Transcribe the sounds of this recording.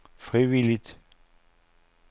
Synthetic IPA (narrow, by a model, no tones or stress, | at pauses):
fʁiʋilit̪